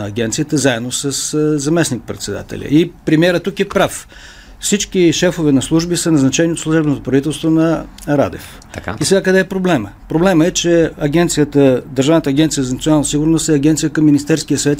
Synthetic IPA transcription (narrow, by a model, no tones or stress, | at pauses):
ɐɡʲɛnt̪sijət̪əzaɛd̪nosəszɐmɛsnik̚pɾɛt̪sɛd̪a̰t̪ɛ̰lʲə̰ipɾɛmiɛɾət̪ːukɛpɾaf | fsit͡ʃkiʃɛfovɛnɐslˠuʒbisənɐznɐt͡ʃɛniot̪slˠuʒɛbnot̪opɾɐvit̪ɛlˠst̪vonɐ | ɾa̰d̪ɛ̰fka̰isɛɡakəd̪ɛːpɾoblɛməpɾoblɛməɛt͡ʃɛɐɡʲɛnt̪sijət̪əd̪əɾʒavnət̪əɐːɡɛnt̪sijəzɐnt̪ionalˠnəsiɡʊɾnost̪ɛɐɡʲɛnt̪sijəkɐmːinist̪ɛɾskijəsɐvɛt̪